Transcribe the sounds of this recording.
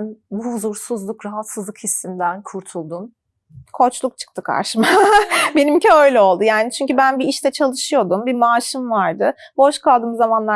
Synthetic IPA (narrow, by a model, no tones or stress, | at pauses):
nbuhuzuɾsuzlˠukɾaɦat̪sɯzlˠɯkhisːind̪ænkʰuɾt̪ʰulˠd̪un | kʰo̞t͡ʃlˠuk̚t͡ʃʰɯ̥k̚t̪ʰɯkʰa̰ɾʃɯmabe̞nimciø̞jlʲɛo̞lˠd̪ujaːnit͡ʃʰyɲcybænbiiʃt̪ʰɛt͡ʃʰalˠɯʃɯjo̞d̪umbimaːʃɯmvaɾd̪ɯbo̞ʃkʰalˠd̪ɯːmzamanlˠa